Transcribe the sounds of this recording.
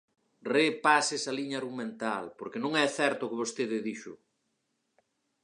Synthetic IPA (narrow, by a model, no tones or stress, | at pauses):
repasɪsɐliɲaːɾɣumẽnt̪alpoɾkɪnõŋɛθɛɾt̪ʊkɪβost̪eðɪðiʃʊ̰